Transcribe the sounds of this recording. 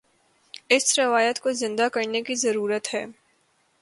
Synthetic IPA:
ɪsɾɪʋaːjət̪kozɪ̃nd̪akɐɾnekizɐɾuːɾət̪ɦɛː

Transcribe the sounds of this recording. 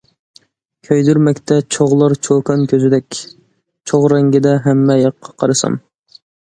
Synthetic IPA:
kʲʰøjd̪yɾmɛkʲt̪ʰɛt͡ʃʰoʁlˠɑɾt͡ʃʰokʰɑnkʲʰøzɪd̪ɛkʲ | t͡ʃʰoʁɾɛŋɡʲɪd̪ɛɦɛmːɛjɑqʰːɑ̥qʰɑɾɨsɑ̰m

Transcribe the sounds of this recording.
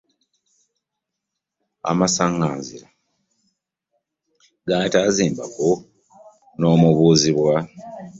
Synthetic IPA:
a̰masaŋɡaːnziɾa | ɡaːtaːziːmbako | no̞ːmuβuːziβwa

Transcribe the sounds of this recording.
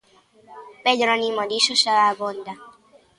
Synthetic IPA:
pɛɟɾɔnimɔd̪iʃuʃaaːbond̪a

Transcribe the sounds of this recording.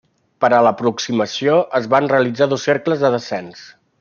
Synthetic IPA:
pəɾələpɾuksiməsioʔəzβanreəlid͡zaðɔsːeɾkləzðəðəsɛns

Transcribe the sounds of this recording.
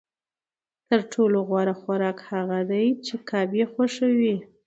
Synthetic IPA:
t̪əɾʈʰoloɣwaɾaxaɾɑkhaɣad̪ajt͡ʃekɑbjexaʃawi

